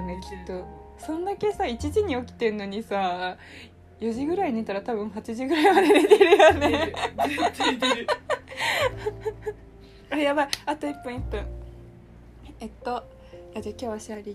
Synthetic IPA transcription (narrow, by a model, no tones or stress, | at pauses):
neki̥t̪ːosõ̞nd̪ake̞sait͡ɕiʑiɲ̟io̞kʲi̥t̪e̞nːo̞ɲ̟isa | jo̞ʑiɡɯ̟ɾainet̪aɾat̪aβɯ̟̃ɰ̃hat͡ɕiʑiɡɯ̟ɾaimad̪enet̪eɾɯ̟jone | ajaβaat̪oipːɯ̟̃ɰ̃ipːɯ̃ | et̪ːo̞ | ad͡ʑakʲo̞ːβaɕiaɾʲi